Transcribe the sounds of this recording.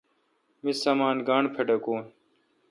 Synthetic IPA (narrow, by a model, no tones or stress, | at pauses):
mɪsaːmaːnɡaːɳpʰəɖɐkoː